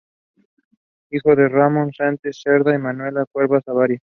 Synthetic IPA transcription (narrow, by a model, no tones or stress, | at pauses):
ixo̞ðeramonsant͡ʃesːeɾðaimanwe̞lakwe̞ɾβasaβaɾja